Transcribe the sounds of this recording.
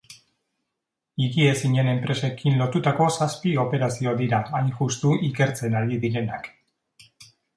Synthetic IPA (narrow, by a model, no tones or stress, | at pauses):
iɣie̞siɲe̞ne̞mpɾʔe̞se̞kinlo̞t̪ut̪ako̞saspio̞pe̞ɾasio̞ad̪iɾaːjnʝust̪uʔike̞ɾt͡se̞naɾiðiɾe̞na̰k